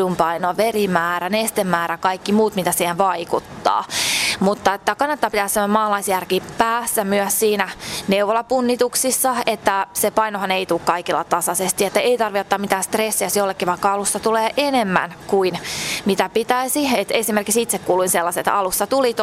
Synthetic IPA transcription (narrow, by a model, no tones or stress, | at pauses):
umpɑinoɑʋerimæːɾænest̪emːæːɾækɑikːimuːt̪mit̪æsiːheʋɑikut̪ːɑ̰ːmut̪ːɑet̪ːækɑnːɑt̪ːɑːpit̪æːsemomɑːlɑisjærkiːpæːsːæmyœssiːnæneuʋolɑpunːit̪uksisːɑet̪ːæsepɑinohɑneit̪ukkɑikilːɑ̰t̪ɑsɑsest̪iet̪ːæeit̪ɑrʋiot̪ːɑːmit̪æːst̪resːiɑsjolːekːiʋɑikːɑɑlusːɑt̪uleːʔenemːæ̰nkuinmit̪æpit̪æisiet̪esimerkiksit̪sekkuːluinselːɑstet̪ɑlusːɑt̪ulit̪